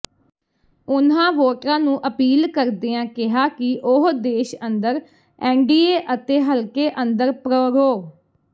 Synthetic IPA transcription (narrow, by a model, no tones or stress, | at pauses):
ʊnãːʋoːʈɾãːnũːʔəpiːlkəɾd̪eːãːkɪɦaːkɪʔʊɦd̪eːʃənd̪əɾ | ɛːɳɖiːeːʔət̪eːɦəlkeːʔənd̪əɾpɾoːɾoː